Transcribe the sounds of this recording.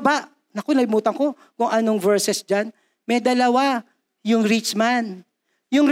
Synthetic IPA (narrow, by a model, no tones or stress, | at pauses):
baʔ | nɐkonɐlɪmuːt̪ɐŋko̞ | kʊŋʔɐno̞ŋvɛɹsɛsd͡ʒan | mɐjd̪ɐlɐwa | jʊŋɾit͡ʃman | jʊŋ